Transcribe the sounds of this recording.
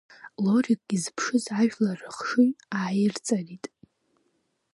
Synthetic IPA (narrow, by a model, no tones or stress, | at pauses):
lo̞rikʼɡʲizpʰʂɨzaʒᶣlarɨχʂɨnaːjɪrt͡sʼaritʼ